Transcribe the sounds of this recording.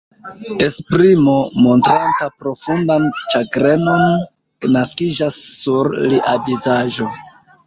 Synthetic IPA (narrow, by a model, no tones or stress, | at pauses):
e̞spɾimo̞mo̞ntɾantapɾo̞fundant͡ʃaɡɾe̞no̞n | kenaskid͡ʒasːuɾliʔavizaʒo̞